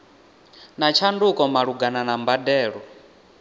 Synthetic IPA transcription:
nat͡ʃʰandukʼɔmaɺuɡananambadɛːɺɔ

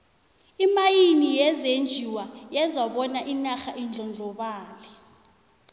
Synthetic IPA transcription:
imajinijɛzend͡ʒʱiwajɛzaɓɔnaʔinaxaʔind͡ɮʱɔnd͡ɮʱɔɓaːlɛ

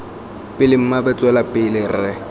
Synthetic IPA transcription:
pʼɪlɪm̩mabɛt͡sʼwɛlapʼɪlɪrɪ

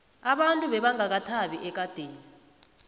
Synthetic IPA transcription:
aɓantʼuɓɛɓaŋak̬atʰaɓiʔɛk̬ʼad̥ʱeːni

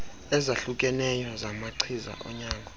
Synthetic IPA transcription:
ɛzaɬukʼɛnɛjɔzamaǀʰiza̰ʔɔ̰ɲaːŋɡʱɔ

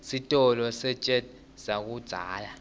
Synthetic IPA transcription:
sitʼɔlɔsɛt͡ʃʼɛd | sak̬ud̥d͡z̥ʱa̰ːla

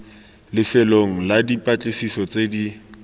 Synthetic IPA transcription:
lɪfɛloŋ̩ladipʼat͡ɬʼɪsisɔt͡sedi

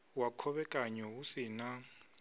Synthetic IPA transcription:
wakʰɔβɛkʼaɲɔusina

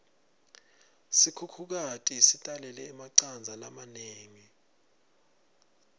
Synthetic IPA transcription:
sikʰukʰuk̬atʼisitʼalɛlɛːmaǀand͡zʱalamaneːŋi

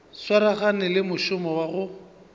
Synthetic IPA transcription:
swaɾaχanɪlɪmʊʃʊmɔwaɣʊ

